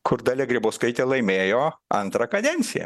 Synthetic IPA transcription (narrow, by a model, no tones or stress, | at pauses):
kʊɾd̪ɐlʲɛɡɾʲɪboːskɐɪt̪ʲɛːlˠɐɪmʲeːjoːɐ̰nt̪ɾɐkɐd̪ʲɛnʲtsʲɪjɛ̰